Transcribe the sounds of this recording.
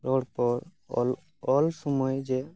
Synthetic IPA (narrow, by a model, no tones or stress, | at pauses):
ɾɔɽpɔɾ | l | ɔlsɔmɔjd͡ʒe